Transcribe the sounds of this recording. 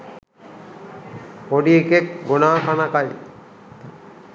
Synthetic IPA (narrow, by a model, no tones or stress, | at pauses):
koɖiekek̚ɡunaːkʰanakaj